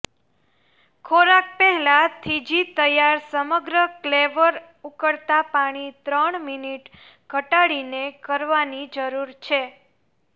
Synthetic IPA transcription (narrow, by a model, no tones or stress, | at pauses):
kʰoɾak̚pɛɦɛlat̪ʰid͡ʒit̪əjaɾsəməɡɾəkleʋəɾ | ukəɽt̪apaɽ̃it̪ɾəɳminiʈ | ɡ̥ʱəʈaɽinekəɾʋanid͡ʒəɾuɾt͡ʃʰe